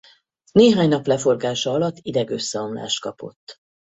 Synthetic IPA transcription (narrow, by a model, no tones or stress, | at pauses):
neːɦaːɲnɒplɛfo̞rɡaːʃɒɒlɒt̪ːid̪ɛɡø̞sːɛɒmla̰ːʃt̪̚kɒpo̞̰t̪ː